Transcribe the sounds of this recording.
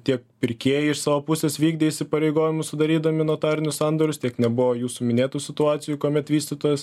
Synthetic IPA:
t̪ʲiɛkpʲɪɾʲkʲeːjɪɪʃsɑːʋoːpʊsʲeːsʋʲiːɡd̪ʲeɛisʲɪpɐɾʲɛɪɡoːʋʲɪmʊsʊd̪ɐɾʲiːd̪ɐmʲɪnoːt̪ɑːɾʲɪnʲʊssɑnd̪oɾʲʊst̪ʲiɛknʲɛbʊʋojuːsʊmʲɪnʲeːt̪uːsʲɪt̪ʊɑːt̪sʲɪjuːkuɔmʲɛt̪ʋʲiːsʲt̪ʲɪt̪oːjɛs

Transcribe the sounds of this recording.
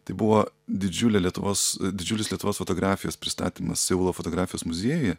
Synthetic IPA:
t̪ɐɪbʊʋoːd̪ʲɪd͡ʒʲʊlʲɛlʲiɛt̪ʊʋoːsd̪ʲɪd͡ʒʲʊlʲɪslʲiɛt̪ʊʋoːsfoːt̪oːɡɾɑːfʲɪjoːspʲɾʲɪst̪ɑ̰ːt̪ʲiːmɐ̰ssʲɛʊlˠoːfoːt̪oːɡɾɑːfʲɪjoːsmʊzʲiɛjojɛ

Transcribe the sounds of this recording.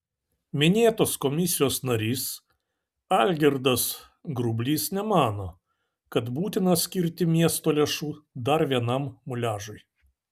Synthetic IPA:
mʲɪnʲeːt̪oːskɔmʲɪsʲɪjoːsnɐɾʲiːs | ɐlʲɡʲɛɾd̪ɐs | ɡɾʊbʲlʲiːsnʲɛmɑːnoː | kɐt̪buːt̪ʲɪnɐsʲkʲɪɾʲt̪ʲɪmʲiɛst̪oːlʲeːʃuːd̪ɐɾʋʲiɛnɐmmʊlʲæːʒʊɪ

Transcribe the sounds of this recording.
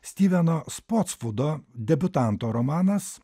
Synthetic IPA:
sʲt̪ʲiːʋʲɛnoːspoːt̪sfʊd̪oːd̪ʲɛbʲʊt̪ɑˑnt̪oːɾɔmɑːnɐs

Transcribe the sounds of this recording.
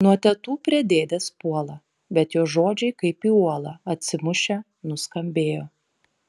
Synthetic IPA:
nuɔt̪ʲɛt̪uːpʲɾʲɛd̪ʲeːd̪ʲɛspuɔlˠɐ | bʲɛt̪joːʒoːd͡ʒʲɛɪkɐɪpiːuɔlˠɐɐt̪ʲsʲɪmʊʃʲɛ | nʊskɐmʲbʲeːjoː

